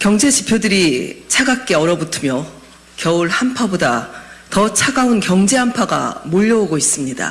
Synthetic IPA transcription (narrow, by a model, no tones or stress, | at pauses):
kjʌŋd͡ʑe̞t͡ɕipʰjodɯɾit͡ɕʰaɡak̚k͈e̞ʌɾʌbutʰɯmjʌ | kjʌuɭhampʰabodatʌt͡ɕʰaɡaunkjʌŋd͡ʑe̞ɦampʰaɡa̰moʎːʌoɡois͈ɯmɲida̰